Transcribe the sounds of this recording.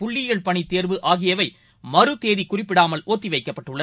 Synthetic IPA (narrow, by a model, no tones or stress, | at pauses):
pʊɭːɪjɐɭpɐɳit̪ːeːɾʋɯʔaːɣɪjɐʋɐɪ | mɐrɯt̪eːðikʊrɪpːɪɽaːmɐlʔoːt̪ːiʋɐɪkːɐpːɐʈːɯɭːɐ